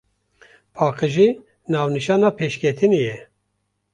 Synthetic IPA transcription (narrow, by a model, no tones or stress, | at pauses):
pʰɑːqɨʒiː | nɑːvniʃɑːnɑːpʰeːʃkʲʰɛt̪ʰɨnejɛ